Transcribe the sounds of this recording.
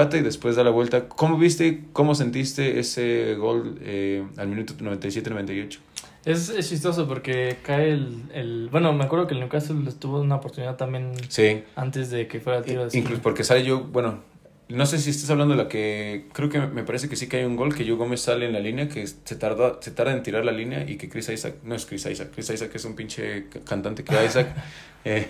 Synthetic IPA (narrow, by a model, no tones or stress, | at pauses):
at̪aiðe̞spwezðalaβwe̞lt̪ako̞mo̞βist̪e̞ko̞mo̞s̬e̞nt̪ist̪e̞ʔḛseɣo̞lealmĩnut̪onoβent̪ajs̬jet̪enent̪ajo̞t͡ʃo̥ | esest͡ʃis̬t̪o̞s̬op̬o̞ɾkekaelelbwe̞no̞meakweɾð̞o̞kelnekasot̪uβounaopoɾt̪uniðaðt̪ambje̞nsiant̪ezðe̞kefweɾalt̪iɾoðesiŋkluspo̞ɾke̞saleʝo̞bwe̞no̞ | no̞se̞s̬ies̬t̪as̬aβland̪oeakekɾe̞okeme̞paɾe̞s̬ekesikajuŋɡo̞lke̞ʝoɣo̞me̞saleːnlalinjakeset̪aɾðase̞t̪aɾðeent̪iɾaɾlalinja̰ʔḭke̞kɾisajsa̰k̚noeskɾisa̰jsakːɾisajsakesumpint͡ʃḛkant̪ant̪ekeajjs̬ak | e